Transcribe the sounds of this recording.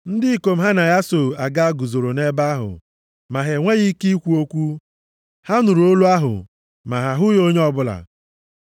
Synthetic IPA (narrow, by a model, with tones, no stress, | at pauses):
n̩˦dɪ˦i˦˨ko˨m̩˦ɦa˦na˨ja˦so˨a˨ɡa˦ɡu˨zo˨ɾo˨ne˦ba˦a˦ɦʊ̰˨ | ma˨ɦe˨ŋʷe˦ɣi˦ki˦i˦kʷu˦o˦kʷu˦ | ha˦nu˨ɾo˦lu˦a˦ɦʊ̰˨ | ma˨ɦa˨ɦʊ˦jo˦ɲe˦ɔ˦bʊ˦la̰˨